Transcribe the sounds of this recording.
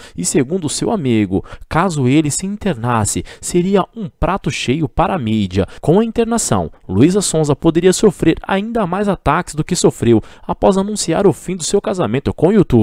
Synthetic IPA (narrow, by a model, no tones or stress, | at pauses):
ɪseɡũnd̪ʊsewamiɡʊ̰kazʊelɪsɪĩnt̪eɾnasɪseɾiɐũpɾat̪ʊʃejʊpaɾɐamid͡ʒɐ̰kõw̃ɐĩnt̪eɾnasɐ̰̃w̃luizɐsõzɐpod̪eɾiɐsofɾeɾa̰ĩnd̪ɐmajzat̪akɪ̥zd̪ʊkɪsofɾewapɔzanũsia̰ɾʊfĩd̪ʊsewkazamẽnt̪ʊkõut̪ub